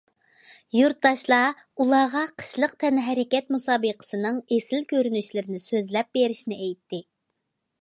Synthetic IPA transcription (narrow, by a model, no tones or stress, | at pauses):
juɾt̪̚d̪ɑʃlˠɑ | ulˠɑʁɑqʰə̥ʃlˠəq̚t̪ʰɛnɦɛɾɪkʲɛt̪̚musɑːbəqʰə̥sɨnɨŋesɪlkʲøɾynyʃlɪɾɪnɪsøzlɛp̚beɾɪʃinɪɛjt̪ʰːɪ